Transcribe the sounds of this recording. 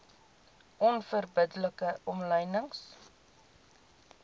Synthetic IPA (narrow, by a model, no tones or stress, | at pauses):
ʔɔnfərbədləkəʔɔmləjnəŋs